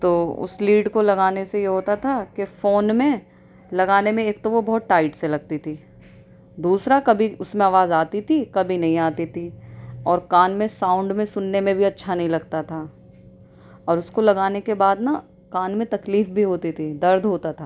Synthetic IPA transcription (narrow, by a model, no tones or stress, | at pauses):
t̪oːʊ̰sliːɖkolɐɡaːnesejeɦoːt̪at̪ʰakefoːnmẽ | lɐɡaːnemẽeːkt̪oʋobɔɦt̪̚ʈaːɪʈselɐɡ̚t̪it̪ʰiː | d̪uːsɾakɐbʱiʊsmẽaːʋaːzaːt̪it̪ʰikɐbʱinɐɦĩaːt̪it̪ʰiɔːɾkaːnmẽsãːʊ̃ɳɖmẽsʊnːemẽbʱiɐtːʃʰanɐɦĩlɐɡt̪at̪ʰa | ɔːɾʊskolɐɡaːnekebaːd̪na | kaːnmẽt̪ɐkliːfbʱiɦoːt̪it̪ʰid̪ɐɾd̪ʱɦoːt̪at̪ʰa